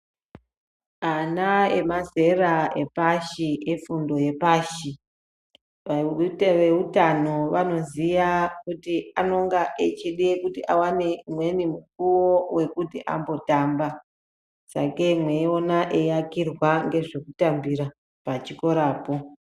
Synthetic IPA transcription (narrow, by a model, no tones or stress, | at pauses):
anae̞maze̞rae̞paʃiefundo̞je̞paʃi | ʋʋe̞utano̞ʋano̞zijakutiano̞ŋɡaʔet͡ʃiɗekutiʔawane̞mwe̞nimuk̚uwowe̞kutiʔa̰mbo̞tamba | sa̰kemweo̞naʔejakirwaŋɡe̞ʐe̞kutambiɾa | pat͡ʃiko̞ɾaːpo̞